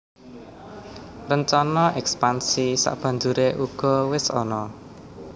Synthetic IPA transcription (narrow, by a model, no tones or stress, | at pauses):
rəɲt͡ʃɔnɔʔɛkspansisa̰ʔb̥ä̤nd͡ʒuɾeʔuɡ̥ɔ̤wɪsɔ̰nɔ